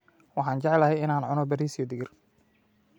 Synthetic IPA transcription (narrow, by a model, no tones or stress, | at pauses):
wɑħɑːnt͡ʃɛʕɛlɐɦɛjɪnaːnʕʊnɔbɛɾiːsijɔd̪ɪɡɪr